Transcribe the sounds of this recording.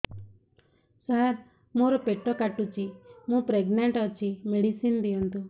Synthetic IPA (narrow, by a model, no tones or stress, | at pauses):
sɐɾ | muːɾopeʈːoːkɐʈːut͡ʃːimuːpɾeɡneɳʈɐt͡ʃːimeɽisind̪iɐnt̪u